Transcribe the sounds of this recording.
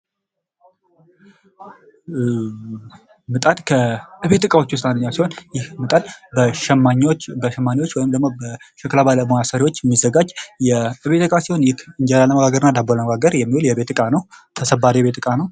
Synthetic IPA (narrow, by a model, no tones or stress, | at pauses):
mɨt̪ʼad̪kʰəɨβe̞t̪ɨkʼawo̞t͡ʃːuʊs̬t̪ʼamːijasihonjɪhmɨt̪ʼad̪bəʃaɲbəʃɛmːaniwot͡ʃːwɔjɪmd̪əɡmobəʃɛklaβaləmojasəɾiwo̞t͡ʃːjɛmːizːəɡad͡ʒːjɛɨβe̞t̪ɨkʼasiho̞njɪkɨnd͡ʒalaləməɡaɡəɾnːad̪aboləməɡaɡəɾjɛmːihuljɛβe̞t̪ɨkʼanəwt̪ʰəsəbːaɾijβe̞t̪ɨkʼanəw